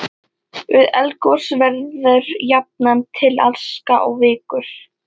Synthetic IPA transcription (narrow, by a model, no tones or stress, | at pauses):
ʏðɛlkɔ̥svɛɾðʏɾjap̚nant̪ʰɪla̰lskaʔɔɣvɪːkʏɾ̥